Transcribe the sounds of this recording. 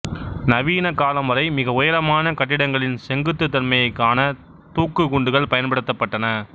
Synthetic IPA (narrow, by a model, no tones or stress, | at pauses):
nɐʋiːnɐkaːlɐmɐɾɐɪmɪɣɐʊjɐɾɐmaːnɐkɐʈːɪɽɐŋɡɐɭɪnsɛŋɡɯt̪ːɯt̪̬ːɐɾmɐjɐɪkːaːnɐ | t̪uːkːɯkʊɳɖɯɣɐɭpɐjɐnpɐɽɯt̪ːɐpːɐʈːɐnɐ